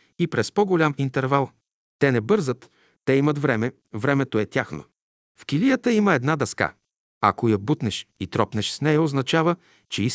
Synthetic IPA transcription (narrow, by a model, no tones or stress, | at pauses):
ipɾɛspɔɡolʲamint̪ɛɾvalˠ | t̪ɛnɛbɤɾzət̪ː | ɛimət̪vɾɛmɛ | vɾɛmɛt̪oɛt̪ʲjaxno̰ | fkilijət̪əiməɛd̪nad̪ɐska̰ | a̰kojɐbut̪nɛʃit̪ɾɔpnɛʃsnɛjəoznɐt͡ʃavə | t͡ʃɛis